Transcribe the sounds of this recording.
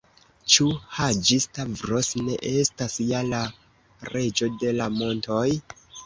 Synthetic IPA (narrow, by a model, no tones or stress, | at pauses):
t͡ʃuhad͡ʒistavɾosne̞̰ʔe̞stasijala | ɾe̞d͡ʒo̞de̞lamo̞nto̞j